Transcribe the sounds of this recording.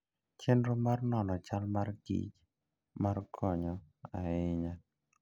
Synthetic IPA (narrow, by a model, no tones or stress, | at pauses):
t͡ʃendɾomarnɔnɔt͡ʃalmarɡḭd͡ʒ | markʰɔɲɔaɪɲa